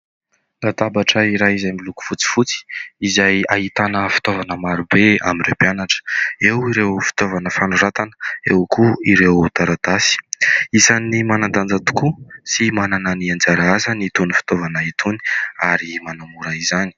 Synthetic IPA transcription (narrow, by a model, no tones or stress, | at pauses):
lad̪abaʈ͡ʂəiɾajizajmbiluku̥fut͡si̥fut͡si̥izajaɦit̪anəfi̥t̪ovanəmaɾubea̰minrepianaʈ͡ʂə̥ewiɾewfi̥t̪ovanəfanuɾat̪anəḛwkuiɾewt̪aɾad̪asi̥izanimanand̪and͡zat̪u̥kusimanananiand͡zaɾaazanit̪unifi̥t̪ovanəit̪ʰuni̥aɾimanamuɾaizani̥